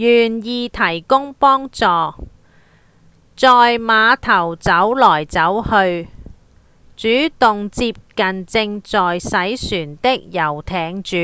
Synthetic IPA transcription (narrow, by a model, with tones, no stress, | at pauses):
jyː˨˩njiː˧t̪ʰɐ˨˩jkʊ˥ŋpɔː˥ŋt͡sɔː˨ | t͡sɔː˨jmaː˨˧t̪ʰɐ˨˩wt͡sɐ˨˥wlɔː˨˩jt͡sɐ˨˥whɵ˧ɥ | t͡ʃyː˨˥t̪ʊ˨ŋt͡siː˧p̚kɐ˨nt͡sɪ˧ŋt͡sɔː˨jsɐ˨˥jsyː˨˩nt̪ɪ˥k̚jɐ˨˩wt̪ʰɛː˨˧ŋt͡ʃyː˨˥